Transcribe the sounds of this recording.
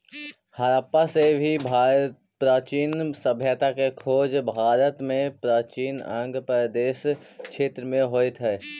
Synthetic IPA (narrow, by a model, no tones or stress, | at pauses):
həɾaːpasebʱibʱa | pɾaːt͡ʃiːnsəbʱjət̪akekʰoːd͡ʒbʱaːɾət̪mẽpɾaːt͡ʃiːnə̰̃ŋɡpəd̪eːsʃʰeːt̪ɾəmẽɦoːet̪ɦɛː